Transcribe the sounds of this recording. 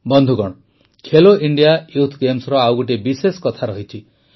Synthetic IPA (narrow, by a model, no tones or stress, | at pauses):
bɔnd̪ʱuɡɔɽ̃ | kʰeloiɳɖijajut̪ʰɡemsɾɔawɡuʈibisesɔ̥kɔt̪ʰaɾɔɦit͡ʃʰi